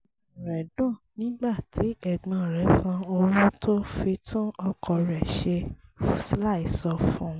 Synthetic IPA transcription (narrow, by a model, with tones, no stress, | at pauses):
ɾɛ˨dũ˦˨nĩ˨˦ɡ͡ba˦˨tʰi˨˦ɛ˨ɡ͡bã˨ɾɛ˨˦sã˧o˧wũ˦tʰo˦fi˧tũ˦ɔ˧kʰɔ˧ɾɛ˨ʃe˧sla˦˨i˨sɔ˧fũ˦